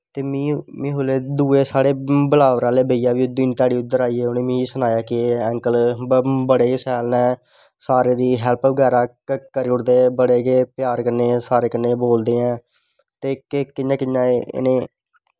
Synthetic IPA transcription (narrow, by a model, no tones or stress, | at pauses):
t̪eːmĩːmĩːɦoːleːd̪uːeːsaːɽeːbəlaːʋɾãːleːbəijaːʋiːd̪iːnt̪aːɽiːʊd̪ːəɾaːiːeːʊneːmĩːsənaːjaːkɪɛ̃ːŋkəlbəɽeːɡeːsɛːlnɛ̃ː | saːɾeːd̪iːɦɛːlpʋəɡɛːɾaːkkəɾiʊɽd̪eːbəɽeːɡeːpjaːɾkənːeːsaːɾeːkənːeːboːld̪eːɛ̃ː | t̪eːkːkɪjãːkɪjã̰ːnẽː